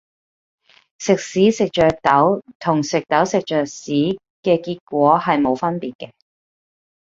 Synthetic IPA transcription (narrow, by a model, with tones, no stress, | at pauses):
sɪ˨k̚siː˨˥sɪ˨k̚t͡ʃœː˨k̚t̪ɐ˨˥wt̪ʰʊ˨˩ŋsɪ˨k̚t̪ɐ˨˥wsɪ˨k̚t͡ʃœː˨k̚siː˨˥ | kɛː˧kiː˧t̚kʷɔː˨˥hɐ˨jmo˨˧wfɐ˥npiː˨t̚kɛː˧